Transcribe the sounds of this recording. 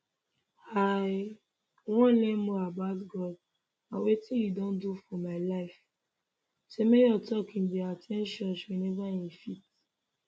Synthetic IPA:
haɪ | wɔ̃nlẽmːoabaʊtɡɔd | awetĩjudõndufɔmaɪlaɪf | semejɔtɔkĩndɛatʰɛ̃nʃɔ̃nswɛnɛvaĩnfit

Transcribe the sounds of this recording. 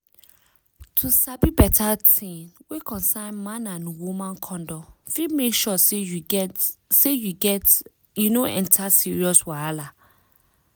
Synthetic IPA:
tʰusabibɛtʰatʰĩnwekʰɔ̃nsãɪnmãnãnwumãnkʰɔ̃ndɔfimekʃɔse | sejuɡɛt | junoʔɛ̰̃ntʰasiɹiɔswaala

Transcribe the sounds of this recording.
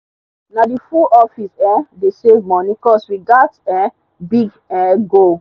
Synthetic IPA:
nadifuʔɔfisɛdesevmɔnikɔsɹiɡadsɛ | biɡ | ɛɡo

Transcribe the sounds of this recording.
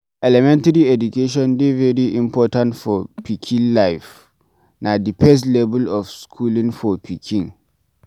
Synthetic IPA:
ɛlɛmɛ̃ntaɾiɛdukeʃ̬ɔ̃ndevɛɹiʔĩmpʰɔtãntfɔpʰikʰĩnlaɪf | nadipʰɛs̬lɛbulɔfskʰulĩŋfɔpʰikʰĩŋ

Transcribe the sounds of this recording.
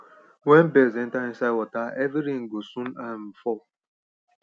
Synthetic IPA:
wen̩bezen̩taĩnsawɔtaeviɾiŋ̩ɡosũnam̩fɔ

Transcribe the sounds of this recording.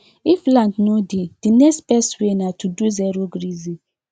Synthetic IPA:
iflãndnoded̥inɛkstpɛswenatʰuduzɛɾoɡɾizĩ

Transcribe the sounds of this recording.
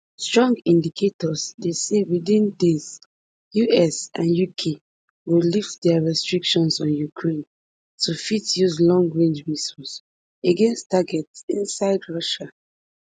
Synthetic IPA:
stɹɔ̃ŋɡĩndikʰetɔzdesewidĩndis | juʔɛsãnjukʰe | wiliftdɛɹɛstɹikʃɔ̃nsɔ̃njukʰɹẽn | tufitjuzlɔ̃ŋɡɹẽnd͡ʒɹisɔs | eɡɛ̃nstːaɡɛtsĩnsaɪdɹɔʃa

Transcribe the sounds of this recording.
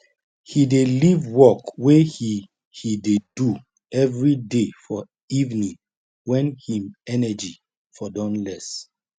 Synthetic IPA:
hidelivwɔkwehi | hidedu | ɛvɹidefɔ | ivnĩŋ | wɛ̃nhĩmɛnɛd͡ʒi | fɔdɔ̃nlɛs

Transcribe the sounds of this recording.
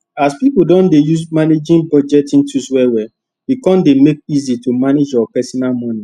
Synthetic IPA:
aspipudɔ̃ndejusmaned͡ʒĩnbɔd͡ʒɛtĩntuswɛwɛ | wikɔ̃ndemek̚izitumaned͡ʒaapɛsɔnalmɔ̃ni

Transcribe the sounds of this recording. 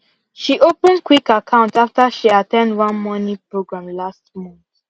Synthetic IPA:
ʃiʔopə̃ndkʰwikakʰãʊ̃ntaftəʃiatɛ̃ndwãnmɔnĩpɹoɡɹãmlast̚mɔ̃nθ

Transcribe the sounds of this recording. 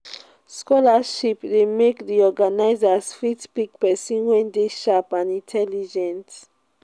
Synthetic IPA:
skɔlaʃipdemekdiɔɡanaɪzasfɹitpik̚pɛsĩnwɛ̃ndeʃapãnĩntʰɛlid͡ʒɛ̃nt

